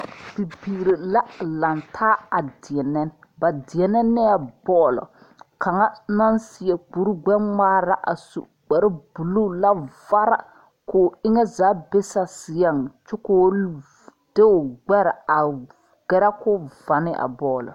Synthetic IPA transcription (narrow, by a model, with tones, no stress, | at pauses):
bi˨biː˨ɾe˨la˦la˨ntʰaː˦a˨dɪ˨ɛ˨nɛ˦n˦ | ba˨dɪ˨ɛ˨nɛ˦nːɛ˦a˨bɔː˦lɔ̰˨ | kʰa˨ŋa˦na˦nsɪ˨ɛ˨k͡pu˨ɾu˦ɡ͡bɛ˦maː˦ɾa˦ʔa̰˨sṵ˨ | k͡pɛ˨ɾɪ˦bu˨lu˦la˦va˦ɾa̰˨ | kʊ˨ɪ˦ŋɛ˦zaː˨˦be˦sa˨sɪ˨ja˦ŋ˨t͡ʃʊ˦koː˦ | d̥e˦ʊ˨ɡ͡bɛ˦ɾa˨a˨ | ɡɛ˦ɾa˦kʊ˦va˨nɪ˦ʔa̰˨bɔː˦˨lɔ̰˨